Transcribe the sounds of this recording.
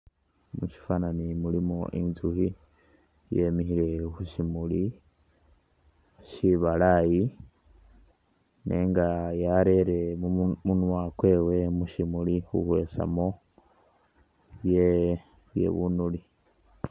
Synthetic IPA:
muʃi̥fananimulimoʔḭnzuhi | je̞mihiɾe̞huʃimuli | ʃiβalaji | nʔḛːŋɡajaɾe̞ɾe̞munwakwe̞ːwe̞muʃimulihṵhwe̞ːsa̰mo̞ | βje | βjḛβunuli

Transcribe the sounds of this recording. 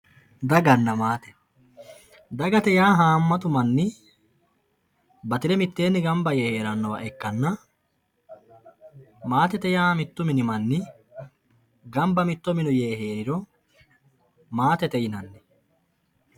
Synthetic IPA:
d̪ɐɡɐnːɐmaːt̪ɛ̥ | d̪ɐɡɐt̪ɛjaːɦaːmːɐt̪ʊmɐnːɪ | bɐt̪ɪɾɛmɪt̪ːe̞ːnːɪɡɐmbɐjeːhe̞ːɾɐnːɐwɐ̰ʔɛkːɐnːɐ | maːt̪ɛt̪ɛjaːmɪt̪ːʊmɪnɪmɐnːɪ | ɡɐmbɐmɪt̪ːɔmɪnʊje̞ːɦeːɾɪɾɔ | maːt̪ɛt̪ɛjɪnɐnːɪ

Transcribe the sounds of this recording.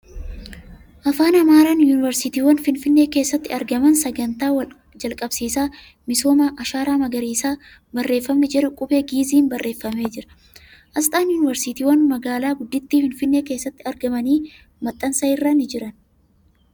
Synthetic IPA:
ʔɐfaːnɐmaːɾaːnjuːnɪvɛɾsɪt̪iːwɐnfɪnfɪnːe̞ːke̞ːsːɐt̪ːɪɐɾɡɐmɐnsɐɡɐnt̪aːwɐ | d͡ʒɐlkʼɐbsiːsaː | mɪso̞ːmaːʔɐʃaːɾaːmɐɡɐɾiːsaː | bɐrːe̞ːfːɐmːɛd͡ʒɪɾʊkʼʊbe̞ːɡiːziːnbɐrːʔeːfːɐme̞ːd͡ʒɪɾɐ̥ | ʔɐst̪ʼaːnjuːnɪvɛɾsit̪iːwɐnmɐɡaːlaːɡʊd̪ːɪt̪ːiːfɪnfɪnːe̞ːke̞ːsːɐt̪ːɪɐɾɡɐmɐniː | mɐt̪ʼːɐnsɐɪrːɐnɪd͡ʒɪɾɐn

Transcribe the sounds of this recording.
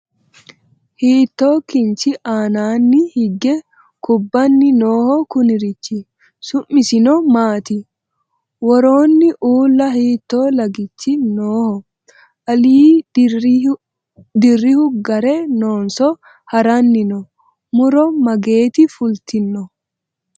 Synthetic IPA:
hiːt̪ːoːkɪnt͡ʃɪʔaːnaːnːɪhɪɡɛ | kʊbːɐnːɪnoːhɔkʊnɪɾɪt͡ʃːɪ | sʊmːɪsɪnɔmaːt̪ɪ | wɔɾoːnːɪʔuːlːɐɦiːt̪ːoːlɐɡɪt͡ʃːɪnoːhɔ | ʔɐliː | d̪ɪrːɪhʊɡɐɾɛnoːnsɔ | hɐɾɐnːɪnɔ | mʊɾɔmɐɡe̞ːt̪ɪfʊlt̪ɪnːɔ

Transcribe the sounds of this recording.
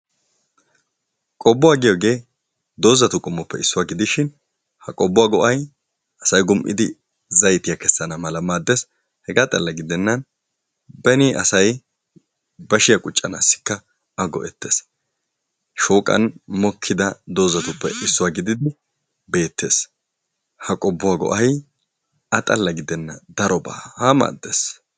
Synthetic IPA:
kʼɔbːʊwaːɡɪjɔɡe̞ː | d̪o̞ːzɐt̪ʊkʼʊmːɔpːɛ̰ɪsːʊwaːɡɪd̪ɪʃɪn | hɐkʼɔbːʊwaːɡɔʔɐj | ɐsɐjɡʊmʔɪ̰d̪ɪ | zɐjt̪ɪjakɛsːɐnɐmɐlɐmaːd̪ːɛs | hɛɡat̪ʼɐ̰lːɐɡɪd̪ɛnːɐn | bɛniʔɐ̰sɐj | bɐʃɪjɐkʼʊt͡ʃʼːɐnasːɪ̥kːɐ | ɐɡɔ̰ʔɛt̪ːeːs | ʃoːkʼɐ̰nmɔkʰːɪd̪ɐd̪o̞ːzɐt̪ʊpːɛʔɪsːɔwaːɡɪd̪ɪd̪ɪ | be̞ːt̪ːe̞ːs | hɐkʼɔbːʊwaːɡɔ̰ʔɐj | ɐt̪ʼɐlːɐɡɪd̪ɛnːɐd̪ɐɾɔba̰ːhama̰ːd̪ːes

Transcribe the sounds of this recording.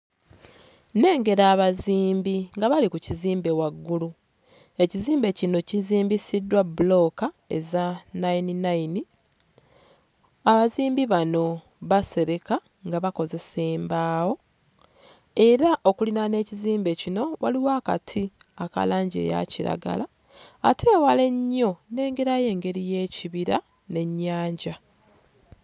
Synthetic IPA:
ne̞ːŋɡe̞ɾaːβaziːmbiŋɡaβalikuciziːmbe̞waɡːulu | e̞ciziːmbe̞cino̞ciziːmbisidːwabulo̞ka | e̞̰zanaininaini | aβaziːmbiβano̞ | βase̞ɾe̞ka | ŋɡaβako̞ze̞se̞ːmbaːwo̞ | e̞ɾaʔo̞kulinane̞ːciziːmbe̞cino̞waliwaːka̰tʰiaka̰laːɲɟe̞̰ːja̰ciɾa̰ɡa̰laː | tʰe̞ːwale̞ɲːo̞ne̞ːŋɡe̞ɾaje̞ːŋɡe̞ɾije̞ːciβiɾa | ne̞ɲːaːɲɟa

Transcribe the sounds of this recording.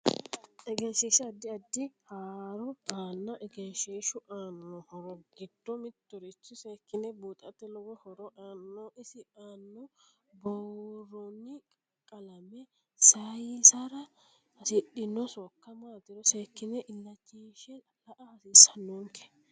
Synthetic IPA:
ɛɡɛnʃeːʃɐɐd̪ːɪɐd̪ːɪhaːɾɔaːnːɐʔɛɡɛnʃeːʃʊʔaːnːɔhɔɾɔɡɪd̪̥ːɔmɪt̪ːɔɾɪt͡ʃːɪseːkːɪnɛbuːt̪ʼɐt̪ːɛlɔɡɔhɔɾɔʔaːnːoːɪsɪaːnːɔ | bɔwrɔnːɪkʼɐkʼːɐlɐmɛ | sɐjisaɾɐ | hɐsɪɗɪnːɔsɔkːɐmaːt̪ɪɾɔseːkːɪnɛʔɪlːɐt͡ʃːeːʃɛ | lɐʔɐhɐsiːsɐnːuŋkɛ̥

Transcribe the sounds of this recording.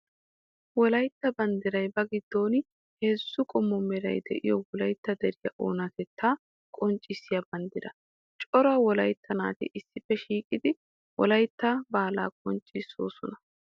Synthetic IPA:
wɔlɐjt̪ːɐbɐnd̪ɪɾɐjbɐɡɪd̪̥ːo̞ːn | heːsːʊkʼɔmːɔmɛɾɐ̰jd̪ɛ̰ʔɪ̰jɔwɔlɐjt̪ːɐd̪ɛɾɪjɐʔo̰ːnɐt̪ɛt̪ʰːaː | kʼɔnt͡ʃʼːɪsːɪjabɐnd̪ɪɾɐ | t͡ʃʼɔɾɐwɔlɐjt̪ʰːɐna̰ːt̪ɪ̰ʔɪsːɪfːɛʃiːkʼɪd̪ɪ | wɔ̰lɐjt̪ːabaːla̰ːkʼɔnt͡ʃʼːɪsːo̰ːsɔnɐ

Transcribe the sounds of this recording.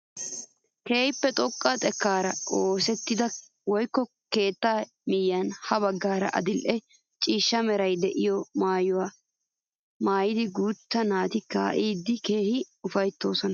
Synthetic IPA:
ke̞ːhɪpːɛt̪ʼɔkʼːat̪ʼɛkːaːɾɐoːsɛt̪ːɪd̪ɐ | wɔjkːɔ | ke̞ːt̪ːaː | mɪjːɐnhɐβɐɡːaːɾɐ̰ʔɐ̰d̪ɪlʔɛ | t͡ʃʼiːʃːɐmɛɾɐjd̪ɛʔɪjɔmaːjʊwaː | maːjɪd̪ɪɡuːt̪ːɐnaːt̪ɪka̰ːʔiːd̪ːɪke̞ːhɪ | ʊfɐjt̪ːo̞ːsɔnɐ

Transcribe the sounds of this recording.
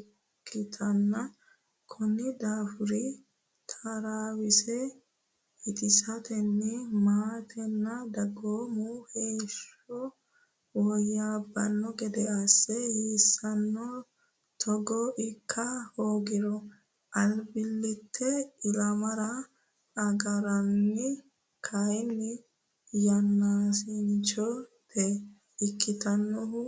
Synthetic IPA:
kːɪt̪ʰɐnːɐ | kʰɔnːɪd̪aːfʊɾɪ | t̪ʰaɾaːwɪsɛ | hɪt̪ʼɪsɐt̪ɛnːɛmaːt̪ɛnːɐd̪ɐɡoːmuheːʃɔ | wɔjːaːbːɐnːɔɡɛd̪ɛɐsːɛhisːɐnːɔ | t̪ʰɔɡɔʔɪkʰːɐhoːɡɪɾɔ | ʔɐlbɪlːɪt̪ʰːɛɪlɐmɐɾɐ | ɐɡɐɾɐnːɪ | kʰɐjnːɪ | jɐnːaːsɪnt͡ʃɔt̪ɛ | ɪkːɪt̪ɐnːɔhʊ

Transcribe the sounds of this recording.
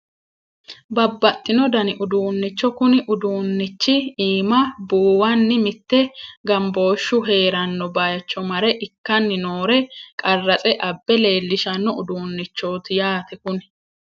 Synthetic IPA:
bɐbːɐt̪ʼːɪnɔd̪ɐnɪʔʊd̪uːnːɪt͡ʃːɔkʊnɪʔʊd̪uːnːɪt͡ʃːɪiːmɐbuːwɐnːɪmɪt̪ːɛɡɐmbo̞ːʃːʊɦe̞ːɾɐnːɔbajɐt͡ʃːɔmɐɾɛʔɪkːɐnːɪnoːɾɛkʼɐrːɐt͡sʼɛʔɐbːɛle̞ːlːɪʃɐnːɔʊd̪uːnːɪt͡ʃːo̞ːt̪ɪjaːt̪ɛkʊn

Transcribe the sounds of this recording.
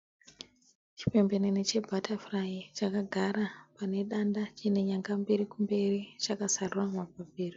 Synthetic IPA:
t͡ʃi̥pe̞mbe̞nenet͡ʃe̞bʱatafrait͡ʃakaɡʱaɾapane̞ɗandat͡ʃine̞ɲaŋɡambeɾikumbe̞rit͡ʃakasaruramabʱabʱeːro

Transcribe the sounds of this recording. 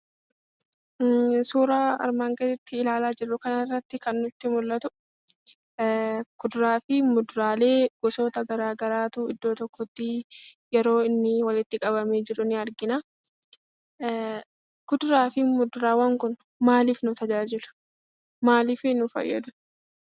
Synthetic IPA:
suːɾaːɐ̰ɾmaːŋɡɐɾɪt̪ːɪːlaːlaːd͡ʒɪrːʊkɐnɐrːɐt̪ːɪkɐnːʊt̪ːɪmʊlːɐt̪ʊ | ɡ̥ʊd̪ɾaːfɪmʊd̪ɾaːle̞ːɡ̥ɔso̞ːt̪ɐɡɐɾaːɡɐɾaːt̪uːɪd̪ːoːt̪ɔkːɔt̪ːɪjɛɾo̞ːɪnːɪwɐlɪt̪ːɪkʼɐbɐme̞ːd͡ʒɪɾʊnɪɐɾɡɪnaː | kʊd̪ʊɾaːfɪmʊd̪ʊɾaːwɐŋkʊn | maːliːfnʊt̪ɐd͡ʒaːd͡ʒɪlʊ̥ | maːliːfɪnʊfɐ̰jːɐ̰d̪ʊ

